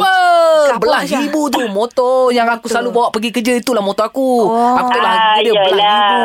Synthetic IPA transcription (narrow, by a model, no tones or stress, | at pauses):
pəbəlaɾibut̪̬umot̪ɔjaŋakusəlalubawaʔpəɡikəd͡ʒəit̪ulahmõt̪oakuakut̪uʔlahməbukəd͡ʒəbəlai